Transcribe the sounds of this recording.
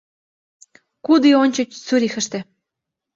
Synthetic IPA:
kud̪ionʲt͡ɕŏt͡ɕt͡suɾʲixɘ̆ʃt̪ĕ

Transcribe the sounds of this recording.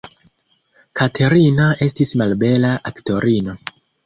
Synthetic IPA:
kʰatʰe̞ɾinae̞stismalbe̞laʔakto̞ɾino̞

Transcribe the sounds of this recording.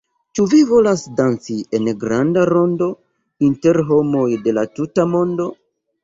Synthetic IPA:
t͡ʃuvivo̞lasdant͡sie̞nɡɾandaɾo̞ndo̞ | inte̞ɾɦo̞mo̞jde̞latutamo̞ndo̞

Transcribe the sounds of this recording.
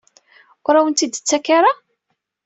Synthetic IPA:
ʊɾæwənt̪id̪t͡sːækːaɾˤa

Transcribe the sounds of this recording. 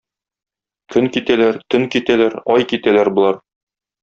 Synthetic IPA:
kʰɵŋkit̪ælæɾt̪ɵŋkit̪ælæɾɒjkit̪ælæɾbŭlˠɑɾ

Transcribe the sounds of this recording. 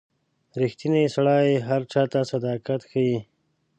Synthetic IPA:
ɾɪxt̪inesaɽɑjeɦaɾt͡ʃɑːt̪asad̪ɑkat̪xaji

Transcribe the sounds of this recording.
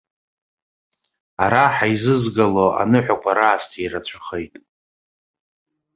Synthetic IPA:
aɾaħaizɨzɡaloa̰nɨħʷᶣakʷʰʼaɾaːstʰiɾat͡ɕʷʰḁχejtʼ

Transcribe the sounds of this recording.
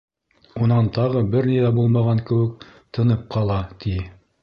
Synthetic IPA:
unɑnt̪ɑʁɤbɘɾniðæbulˠmɑʁɑŋkɘ̆wɘkt̪ʰɤ̆nɤp̚qʰɑlˠɑt̪ʰi

